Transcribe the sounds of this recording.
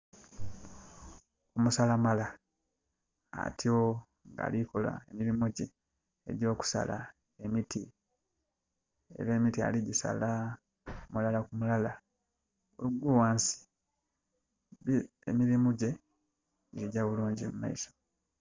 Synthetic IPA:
umusalamala | tʰio | ŋɡa̰ːlikola̰e̞miɾimuɟe̞ː | ɟo̞ːku̥sa̰la̰ | emitʰi | ḛɾeːmitia̰liɟisa̰la | mulalakumulala | uuɡuwaːnsi̥ | βi | emiɾimuɟe̞ | ɟiɾiɟaβuluːɲɟimuma̰iso

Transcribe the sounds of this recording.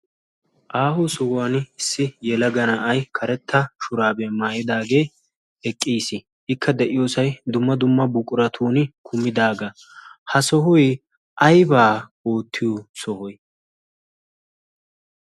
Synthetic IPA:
ʔaːhusɔwaːnɪsːɪjɛlɐɡɐnaʔɐjkʰɐɾɛt̪ːɐʃʊɾaːbɛmaːjɪd̪aːɡe̞ː | ɛkʼːiːsɪ | ʔɪkʰːɐd̪ɛʔɪjo̞ːsɐjd̪ʊmːɐd̪ʊmːɐbʊkʼʊɾɐt̪ʰuːnɪkʰʊmːɪd̪aːɡɐ | hɐsɔɦʊj | ʔɐjbaːoːt̪ʰːɪjosɔhɔj

